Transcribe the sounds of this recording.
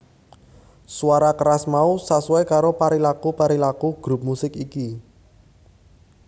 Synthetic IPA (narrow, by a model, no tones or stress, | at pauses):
swaɾakəɾasmausasuwekaɾopaɾilakupaɾilakuɡ̥ɾup̚musɪkiki